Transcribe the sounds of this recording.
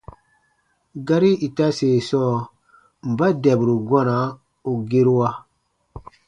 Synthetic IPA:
ɡa˦ɾi˦i˨ta˦seː˨sɔ˦˨ | m̩˨ba˦dɛ˨bɾu˨ɡʷa˦na˨˦ | u˨ɡe˦ɾu˦wa˦

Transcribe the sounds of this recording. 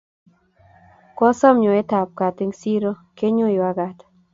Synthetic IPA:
kɔ˦sɔ˦mɲo˨e˦t̪a˨p̚ka˨t̪ɪ˦ŋsi˦ɾo˦ke˦ɲʊ˦jo˨a˨ɡa˨t̪

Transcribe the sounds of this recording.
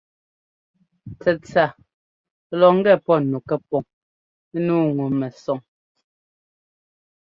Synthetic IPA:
t͡sɛ˨t͡sa˨˦ | lɔ˨ŋ̩˦ɡɛ˦˨pɔ˦nu˨kɛ˦p̚ɔ˨ŋ | e˦nuː˦ŋu˨mɛ˨sɔ˨ŋ

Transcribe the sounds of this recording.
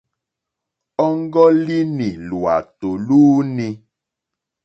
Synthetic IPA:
ɔ˦ŋ̩˦ɡɔ˦li˦nĩ˨lu˨a̰˨t̪o˨luː˦nĩ˧

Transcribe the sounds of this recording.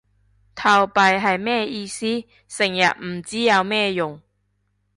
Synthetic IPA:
t̪ʰɐ˧wpɐ˧jɦɐ˨jmɛː˥˧iː˧siː˥ | sɪ˨˩ŋjɐ̰˨t̚m̩˨˩t͡siː˨˥jɐ˨˧wmɛː˥˧jʊ˨˩ŋ

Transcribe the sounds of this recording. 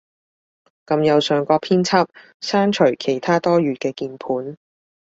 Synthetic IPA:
kɐ˧mjɐ˨˧wsœː˨˧ŋkɔː˧pʰiː˥nt͡sʰaː˥p̚ | saː˥nt͡ʃʰɵ˨˩ɥkʰe˨˩jt̪ʰaː˥t̪ɔː˥ɥyː˨˧kɛː˧kiː˧npʰuː˨˥n

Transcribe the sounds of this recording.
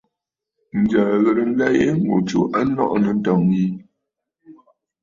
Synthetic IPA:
n̩˨d͡ʒa˨ɣə˨ɾə˨n̩˦la˦je˦ŋɡo̰˨t͡ʃo̰˨ʔa˦nɔ̰˦ʔnə˨n̩˦tɔ˨ŋji˦

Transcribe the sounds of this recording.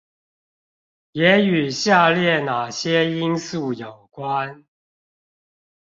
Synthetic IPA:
jɛ˨˦y˨˩ɕja˥˧ljɛ˥˨na˨˩ɕjɛ˦i˦˥nsu˥˨jo˨˩ʊkwa˦n

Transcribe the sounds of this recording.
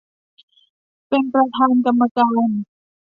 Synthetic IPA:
pe˧npɾa˧t̪ʰaː˧nka˧mːa˧kaː˧n

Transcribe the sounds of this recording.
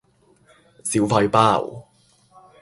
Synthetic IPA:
si˨˥wfɐ˧jpaː˥˨w

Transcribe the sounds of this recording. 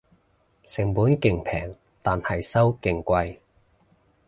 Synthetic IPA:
sɪ˨˩ŋpuː˨˥nkɪ˨ŋpʰɛ̰ː˨˩ŋ | t̪aː˨nhɐ˨jsɐ˥wkɪ˨ŋkʷɐ˧j

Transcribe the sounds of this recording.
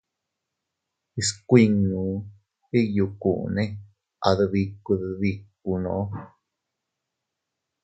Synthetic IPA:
i˧skʷi˧ŋũ˨˧ | i˦ju˧ku˨ʔnẽ˦ | ʔa̰˨ðɨ˧ði˧ku˧ðði˧k̚ː | u˧nõ˨ʔ

